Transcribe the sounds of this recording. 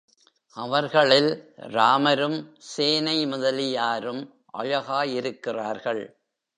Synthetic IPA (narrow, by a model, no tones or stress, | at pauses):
ʔɐʋɐɾɣɐɭɪlɾaːmɐɾɯmseːnɐɪmʊðɐlɪjaːɾɯm | ʔɐ̰ɻɐɣaːjɪɾɯkːɪraːɾɣɐɭ